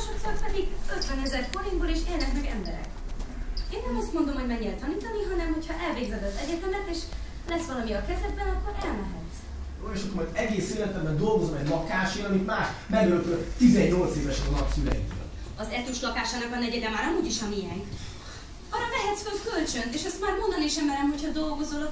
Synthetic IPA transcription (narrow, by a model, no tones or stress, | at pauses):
ʃok̪sok̚pɛd̪iɡøt̪lɛnɛzɛt̪koliŋboleːʃeːnɛkmɛɡɛmbɛɾɛ̰k | eːnːɛmɒst̪mo̞nd̪o̞mho̞ɟmɛɲːiɾɛt̪ɒniːt̪ɒniɦɒnɛmho̞cʰhɒʔɛlveːɡzɛd̪ɒzɛɟɛt̪ɛmɛt̪eːʃ | lɛsʋɒlɒmiɒkɛzɛd̪bɛnɒkːo̞ɾɛlmɛɦɛt̪s | jo̰ːjʃuk̪omɔjt̪ɛɡeːseːlɛt̪ɛmbɛnd̪olɡozomɛɟlɒkaːʃeːlɒmit̪maːʃmɛɡølt̪øt̪izɛɲːo̞lt̪seːvɛʃnɒpsylɛ̰jḭk̪ø̰ːlɒzɛt̪øːʃlɒkaːʃaːnɒkɒnɛɟɛd̪ɛmaːɾɒmuːɟiʃhɒmijɛŋk | ɒrːɒvɛɦɛt̪sfølkølt͡ʃønt̪eːʃɛst̪maːrmo̞nd̪ɒniʃɛmɛɾɛmho̞chɒd̪o̞lɡo̞zol